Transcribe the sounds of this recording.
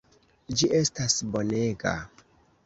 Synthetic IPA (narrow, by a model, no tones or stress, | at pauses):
d͡ʒiʔe̞stasbo̞ne̞ɡa̰